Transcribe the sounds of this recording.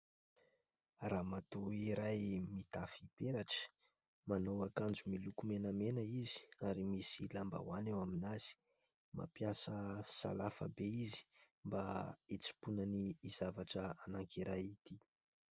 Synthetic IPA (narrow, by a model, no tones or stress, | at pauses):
raːmat̪uiɾajmit̪afipeɾaʈ͡ʂə̥ | manowakand͡ʒumilukumenəmenəizi̥aɾimisilamba̰wanewaminaz̥i̥ | ma̰piasəsa̰lafə̰beizi̥ | mbait͡si̥punəniːz̥avaʈ͡ʂəanaŋkʰiɾajit̪i